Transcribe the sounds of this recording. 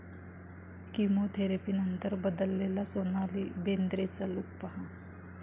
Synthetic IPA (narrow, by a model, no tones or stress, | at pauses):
kimot̪ʰeɾepiːnənt̪əɾbəd̪əlːelasonalibend̪ɾet͡saluk̚paɦa